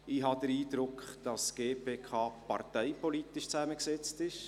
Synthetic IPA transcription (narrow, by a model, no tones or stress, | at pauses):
iːɦɑd̥əɾiːd̥ɾʊkʰd̥ɑsɡ̥eːpʰeːkʰɑːpɑ̰ɾtɛɪpɔlit̪ɪʃt͡sæməksɛt͡stɪʃ